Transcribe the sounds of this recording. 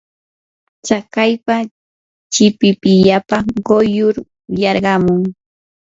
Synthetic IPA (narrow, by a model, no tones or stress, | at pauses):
t͡ʃakajpa | t͡ʃɪpɪpɪʎapaɢojʊɾ | jɑɾɢɑmʊŋ